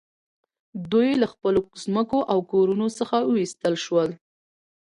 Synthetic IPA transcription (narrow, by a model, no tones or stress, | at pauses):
d̪ujlaxpəlozməkoʔawkoɾunosəxawist̪əlʃwəl